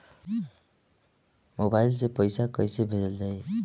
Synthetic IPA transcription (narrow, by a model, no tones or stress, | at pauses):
mobajlt͡sãj̃pʌjsakʌjsebʱed̪ʌld̪ʌj